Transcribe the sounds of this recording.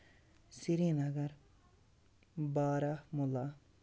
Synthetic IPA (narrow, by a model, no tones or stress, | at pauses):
siɾinɐɡɐɾ | baːɾamula